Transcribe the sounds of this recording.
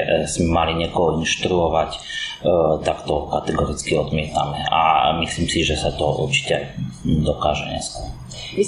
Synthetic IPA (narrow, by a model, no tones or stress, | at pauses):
smɛmaliɲɪɛkɔɦɔinʃt̪ɾuɔʋac | t̪akt̪ɔkat̪ɛɡɔɾit͡skiɔd̪mɪɛt̪a̰mɛa̰misliːmsiʒɛsat̪ɔṵɾt͡ʃi̥cɛajd̪ɔkaːʒɛɲɛ̰skɔɾ